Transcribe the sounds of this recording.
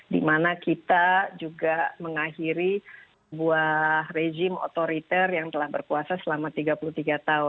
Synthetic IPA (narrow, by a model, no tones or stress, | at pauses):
dḭmanakit̪ad͡ʒuɡaməŋahiɾisəbuahred͡ʒɪmo̰t̪oɾit̪ɛrjaŋt̪əlahbərkuasasəlamat̪iɡapuluht̪iɡat̪aʊn